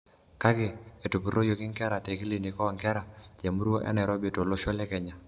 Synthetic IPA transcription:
ka˦ɡɪ˨e˨tu˨pu˨ɾo˦jo˨kɪ˦ŋkɛ˦ɾa˨te˨ki˦li˨ni˨kɔ˦˨ŋkɛ˦ɾa˨d͡ʒe˨mu˦ɾo˦ʔɛ̰˦nɛ˨ɾo˦bi˨to˨lo˦ʃo˦lɛ˦kɛ˨ɲa˨

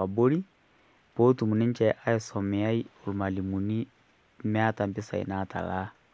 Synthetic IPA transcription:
a˨bo˦ɾi˦ | po˦tu˨mu˨ni˦ɲ˦t͡ʃɛ˨ʔa˦ɛ˨sɔ˨mɛ˨a˦i˦o˨lma˨li˨mu˨ni˦ | mɛ˦a˦ta˨mbi˦sa̰˨ḭ˨nata̰˨la˦

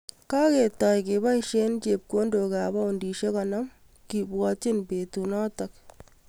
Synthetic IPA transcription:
ka˦ke˨tɔ˨jkeba˦iʃe˦nt͡ʃe˨p̚ko˦ndo˨kabɔ˦undi˨ʃe˦kɔnɔ˦m | ki˨bwɔt͡ʃɪ˦npe˨tunɔ˦tɐk

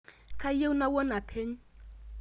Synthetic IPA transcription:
kʰa˦je˦u˦na˦wɔ˦na˨pʰe˦ɲ̩˦

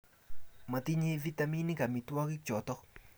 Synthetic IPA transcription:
ma˨t̪i˦ɲe˦vi˦t̪ami˦ni˦ka˨mi˨˧t̪wa˦ki˦kt͡ʃɔ˨t̪ɔ˦

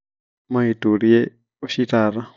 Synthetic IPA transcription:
ma˨i˨tʼo˨ɾiɛ˦ | o˦ʃitaː˨ɾa˦

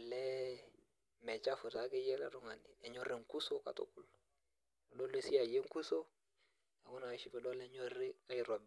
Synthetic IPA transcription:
lɛ˦ | mɛ˨t͡ʃa˦fu˨ta˨˦ke˦jɛ˦la̰˦ɾu˦ŋa˨nḭ˨ɛ˨ɲo˦ɾe˨ŋku˦so˦ka̰˨tṵ˦ku˦l | ɗo˦le˦˨si˦a˨je˦ŋ˦ku˦so˦ | a˨wu˦na˨a˨ʃi˦pɛ˨dɔ˦lɛ˦ɲo˦ri˦ka˦ji˨ɾo˨b

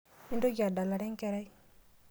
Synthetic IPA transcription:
i˦ndo˦ɡa˨da˨la˨ɾɛ˦ŋ˦kɛ˦ɾa˦i˦

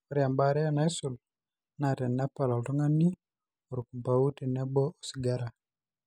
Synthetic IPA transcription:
ɔ˨ɾi˨a˨mba˨ɾɛ˦a˦na˦i˦su˨l | na˨tɛ˨nna˦pa˨la˨ltu˦ŋa˦ni˦ | u˨ɾu˨ku˨mba˨u˦te˨nɛ˦bɔ˦ʔo˨si˨ɡa˦ɾa˨

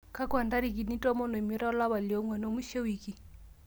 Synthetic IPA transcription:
ka˦kwa˨nda˦ɾi˨k̬i˨ni˦tɔ˦mɔ˦nɔ˨i˨mi˨˦ɾa˦ɔ˦la˦βa˨ljo˦ŋwɛ˨n˦o˦mu˦ʃe˦wi˨ki˨

